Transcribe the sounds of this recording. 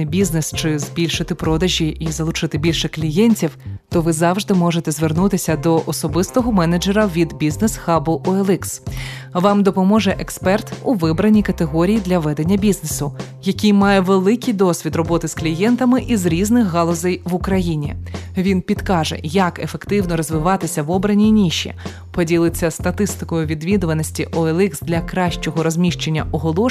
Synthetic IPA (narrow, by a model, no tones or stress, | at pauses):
nɪbʲiznɛst͡ʃɪzbʲilʲʃɪt̪ɪpɾɔd̪ɐʒʲiʔizɐlˠʊt͡ʃɪt̪ɪbʲilʲʃɛklʲijɛnʲtʲiwt̪ɔʋɪzɑwʐd̪ɪmɔʒet̪ɛzʋernut̪ɪsʲɐd̪ɔʔɔsɔbɪst̪ɔɦɔmɛnɐd͡ʒɛɾɐʋʲid̪bʲiznɛsxɑbʊʔɔelˠɪksʋɑmd̪ɔpɔmɔʐɛʔekspɛrt̪uʋɪbɾɐnʲikɐt̪eɦɔɾʲijid̪lʲɐʋɛd̪enʲːɐbʲiznesʊ | jɐkʲijmɑjɛʋelˠɪkʲijd̪ɔsʲʋʲid̪rɔbɔt̪ɪsklʲijɛnt̪ɐmɪʔizɾʲiznɪxɦɑlˠɔzɛjʋʊkɾɐjinʲḭʋʲinpʲid̪kɑʒɛ̰jɐkefekt̪ɪwnɔɾɔzʋɪʋɑt̪ɪsʲɐʋɔbɾɐnʲinʲiʃːḭ | pɔdʲilˠɪt͡sʲːɐst̪ɐt̪ɪst̪ɪ̥kɔjʊʋʲid̪ʋʲid̪ʊʋɐnɔsʲtʲiʔɔelˠiksd̪lʲɐkɾɑʃt͡ʃɔɦɔɾɔzʲmʲiʃt͡ʃe̞nʲːɐʔɔɦɔlˠɔ